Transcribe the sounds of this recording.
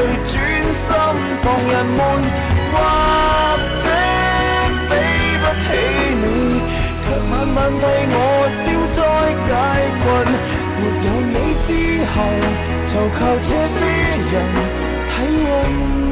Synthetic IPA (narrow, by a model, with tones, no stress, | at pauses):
ɵ˨˧˩ɥt͡ʃyː˥nsɐ˥m | t̪ɔː˨˧ŋjɐ˨˩nmuː˨˧n | kwaː˧k̚t͡sɛ˥ | pe˨j | pɐ˥t̚he˨˥ne˨˧j | k̪ʰœː˨˩ŋmɐ˨˩nmɐ˨nt̪ʰɐ˨˧jŋɔː˨˧si˧˥wt͡sɔː˧˥jkaː˧˥jkʷɐ˧n | jiː˨˩p̚jɐ˨˧nne˨˧jt͡siː˥ | hɐ˨w | t͡sɐ˨wkʰaː˧wt͡sʰɛː˧˥siː˥ | jɐ˨˩n | t̪ʰɐ˨˥jwɐ˧n